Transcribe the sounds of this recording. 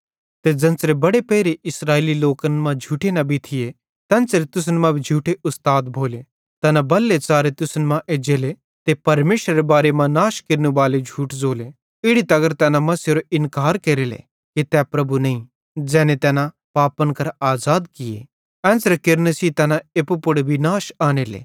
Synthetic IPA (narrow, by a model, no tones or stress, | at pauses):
t̪ed͡zɐ̃nt͡sɾebɐɽepɛːɾeʔɪsɾaːeːliloːkənmãd͡ʒʱuːʈenabʱit̪ʰɪe | t̪ɛ̃ːnt͡sɾet̪ʊs̬ənmãbʱid͡ʒʱuːʈeʔʊst̪aːd̪bʱoːle | t̪ɛːnabɐlːet͡saːɾet̪ʊsənmãʔeːd͡ʒeːle | t̪epɐɾmeːʃɾɐɾebaːɾemãnaːʃkeɾnubaːled͡ʒʱuːʈd͡zoːle | ɪɽit̪ɐɡəɾt̪ɛːnamɐsjeɾoʔɪnkaːɾkeːɾelḛ | kit̪ɛːpɾɐbunɐĩ | d͡ʒɛːnet̪ɛːna | paːpənkɐɾaːzaːd̪kɪjḛ | ɛ̃ːnsɾɛkɪɾnesit̪ɛːnãeːpupʊɽbʱinaːʃaːneːlḛː